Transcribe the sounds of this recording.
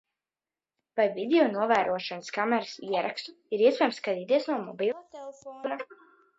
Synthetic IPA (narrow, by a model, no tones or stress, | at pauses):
vajvid̪eɔnuɔvæːɾuɔʃanaskamɛɾɨsiɛɾʔakst̪u | iɾiɛspʲɛjmskad̪iːt̪iɛsnuɔmɔbilˠɛfɔna